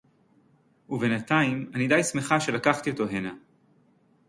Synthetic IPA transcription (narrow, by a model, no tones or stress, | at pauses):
uve̞nat̪aimanid̪ajsme̞χaʃe̞lakaχt̪io̞t̪o̞ɦena